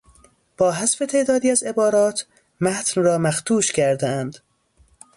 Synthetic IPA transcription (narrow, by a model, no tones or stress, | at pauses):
b̥ɒːɦæsfe̞t̪ʰe̞ːd̪ɒːd̪iːæze̞bɒːɾɒːt̪ʰ | mæt̪ʰnrɒːmæxt̪ʰuːʃcʰæɾd̪eænd̪̥